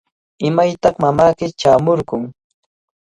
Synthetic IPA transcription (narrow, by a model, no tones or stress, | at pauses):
ɪmajt̪ɑχmamaːkɪt͡ʃaːmoɾɢʊŋ